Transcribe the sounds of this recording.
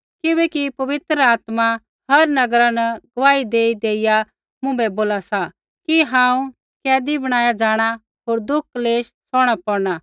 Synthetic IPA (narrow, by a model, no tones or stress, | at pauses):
kɪbɛkipɐʋɪt̪ɾəaːt̪ma | hɐɾnɐɡɾanɛɡɐʋaːid̪eːid̪eːɪja | mʊ̃bɛboːlasa | kiɦãːũ | kɛːd̪ibɐɽ̃aːjad͡ʒaːɽ̃a | ɦoːɾd̪ʊk̚ʰːleːʃsɔːɽ̃apɔɾna